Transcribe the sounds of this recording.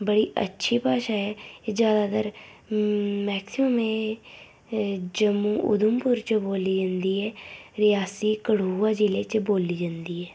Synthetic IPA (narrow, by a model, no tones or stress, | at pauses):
bəɽiːʔə̰tːʃʰiːpaːʃaːɛːeːd͡ʒjaːd̪aːt̪əɾ | mɛːksɪməmẽː | d͡ʒəmuːʔʊ̰d̪ʊmpʊɾt͡ʃboːliːd͡ʒãnd̪iːɛːɾɪjaːsiːkəɽuːaːd͡ʒileːt͡ʃboːliːd͡ʒãnd̪iːɛː